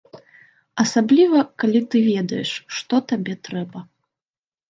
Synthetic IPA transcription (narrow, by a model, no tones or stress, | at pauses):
ɐsablʲivɐkalʲit̪ɨvʲɛd̪ɐjɛʂːt̪ɔt̪abʲɛt̪ɾɛbɐ